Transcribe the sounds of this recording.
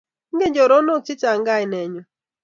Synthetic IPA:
ŋ̩˦ɡe˦ɲd͡ʒɔ˨ɾɔ˦no˦˨t͡ʃɪ˦t͡ʃa˨ŋ˦ɡa˦jnɛ˨ɲɔ˦

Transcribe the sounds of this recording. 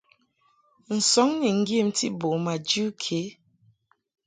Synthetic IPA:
n̩˨sɔ˨˦ŋni˨ŋ̩˦ɡji˦˨m˦tḭ˦bo˨ma˨d͡ʒu˦kʰe˨˦

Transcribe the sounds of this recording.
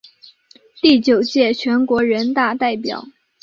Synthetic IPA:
t̪i˥˩t͡ɕjo˨˩ʊt͡ɕjɛ˥˩t͡ɕʰɥɛ˧˥nkwɔ˧˥ɻə˧˥nt̪a˥˧t̪a˥˩ɪpjɑ̰˨˩˦ʊ

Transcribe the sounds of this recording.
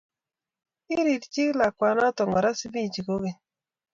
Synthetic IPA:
i˦ɾi˨ɾt͡ʃi˦kla˨kʷwa˨nɔ˦tɔ˨ŋɔ˨ɾa˦si˦bi˦˨d͡ʒi˨ko˦ɣe˨

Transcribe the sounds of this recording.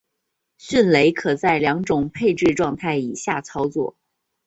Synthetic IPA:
ɕi˥˩nle˧˥ɪkʰɤ˨˩t͡sa˥˩ɪljɑ˧˥ŋʈ͡ʂʊ˨˩ŋpʰe˥˧ɪʈ͡ʂɻ̩˥˧ʈ͡ʂwɑ˥˧ŋt̪ʰa˥˩ɪi˨˩ɕja˥˩t͡sʰɑ˥ʊt͡swɔ̰˨˩˦

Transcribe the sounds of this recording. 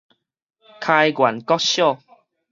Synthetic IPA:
kʰa˧jɡwa˨˩nkɔ˦ɕjɔ˥˨

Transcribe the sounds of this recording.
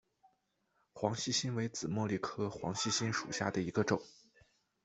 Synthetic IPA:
xwɑ˧˥ŋɕi˥˩ɕi˥nwe˧˥ɪt͡sɹ̩˨˩mwɔ˥˧li˥˩kʰɤ˥xwɑ˧˥ŋɕi˥˩ɕi˥nʂṵ˨˩ɕja˥˩d̪ə˩i˧˥ɡə˧ʈ͡ʂʊ˨˩˦ŋ

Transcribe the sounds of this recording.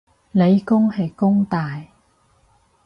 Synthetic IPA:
le˨˧jkʊ˥ŋhɐ˨jkʊ˥ŋt̪aː˨j

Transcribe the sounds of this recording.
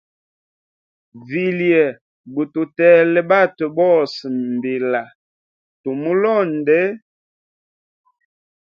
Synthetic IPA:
vi˨ljɛ˨ | bu˨tu˨tɛ˨lɛ˨ba˦tə˨bɔ˦˨sm˨bi˨la˨ | to˨mu˦lɔ˦˨n˨dɛ˦

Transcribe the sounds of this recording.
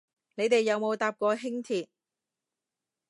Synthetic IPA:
ne˨˧jt̪e˨jːɐ˨˧wmo˨˧wt̪aː˨˧p̚kɔː˧ɦɪ˥ŋt̪ʰiː˨t̚

